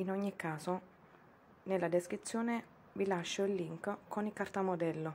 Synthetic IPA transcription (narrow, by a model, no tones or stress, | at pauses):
inɔɲːikːaːso | nelːad̪eskɾit̪sːjoːne | vilaʃːoilːiŋkkonikart̪amod̪ɛlːo